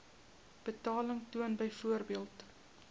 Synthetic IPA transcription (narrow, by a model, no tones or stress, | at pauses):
b̥ətɑːləŋtuənbəjfuərbiəlˠt